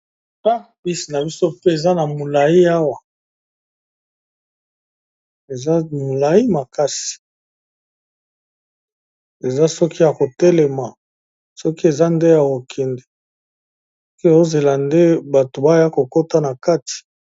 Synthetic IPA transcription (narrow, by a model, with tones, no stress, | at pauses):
pa˦ | bi˦si˨na˨bi˦so˦pe˦e˨za˦na˨mo˨la˨ji˦a˦wa˨ | e˨za˦mo˨la˨ji˦ma˨ka˦si̥˨ | e˨za˦sɔ˦kʰi˦ja˨ko˨tɛ˦lɛ˨ma˨ | sɔ˦ki˦e˨za˦nde˦ja˨ko˨kʰɛ˨ndɛ˨ | ɔ˦ki˦e˨zo˦ze˨la˨nde˦ba˨to˨ba˦ja˦ko˨ko˦ta˦na˨ka˦ti̥˨